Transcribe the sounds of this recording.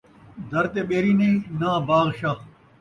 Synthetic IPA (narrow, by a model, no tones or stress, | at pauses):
d̪ɐɾt̪eːɓeːɾiːneĩnãːbaːɣɕaː